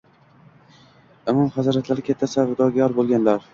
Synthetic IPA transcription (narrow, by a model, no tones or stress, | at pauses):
ʊmɒmhazɒɾat̪ʰlaɾɪkʲʰet̪ʰːasavɪd̪ɒɡʲajɒɾbolˠɡʲanlaɾ